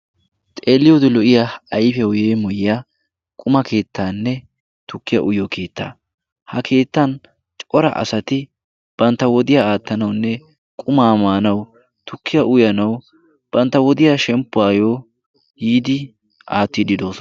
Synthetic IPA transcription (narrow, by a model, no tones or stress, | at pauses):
t̪ʼe̞ːlːɪjod̪ɪlɔʔɪjaɐjfɛwʊjeːmɔjɪjaː | kʼʊmɐkʰe̞ːt̪ːaːnːɛ | t̪ʊkːɪja̰ʔʊjoːkʰe̞ːt̪ːa̰ː | hɐkʰe̞ːt̪ːɐn | t͡ʃʼɔɾɐ̰ʔɐ̰sɐt̪ɪ | b̥ɐnt̪ːɐwɔd̪ɪjaaːt̪ːɐnɐwnːɛ | kʼʊmaːmaːnɐw | t̪ʊkʰːɪjaʔʊjɐnɐw | b̥ɐnt̪ːɐwɔd̪ɪjaːʃɛmpːʊaːjo̞ː | jiːd̪ɪ | aːt̪ːɪd̪ɪd̪o̞ːsɔn